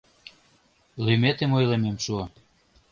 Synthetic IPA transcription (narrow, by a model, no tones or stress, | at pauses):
lymet̪emojlememʃuɑ